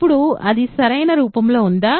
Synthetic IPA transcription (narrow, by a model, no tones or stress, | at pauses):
pːuɽuɐd̪isɐɾɐjnɐɾuːpɐmlo̞ːund̪aː